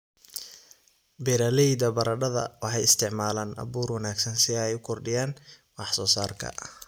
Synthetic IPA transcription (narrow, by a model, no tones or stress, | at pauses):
bɛːɾalɛjd̪ɐbɐɾɐɖɐðɐ̰wɑħɑjɪst̪ʰɪʕmaːlaːnʔɐ̰βuːrwɐnaːɡsɐnsɪɛɛjʊkʰɔrɖɪjaːn | wɑħsɔːsaːrkʰɐ̰